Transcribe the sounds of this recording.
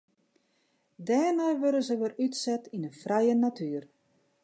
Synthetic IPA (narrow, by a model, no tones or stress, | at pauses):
dɛːrnɛjʋøɾənzəʋərytsɛtinənfrɛjənatʰyːr